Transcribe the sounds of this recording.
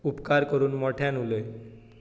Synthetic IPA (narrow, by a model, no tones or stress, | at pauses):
upkaɾkoɾunmɔʈʰɛnule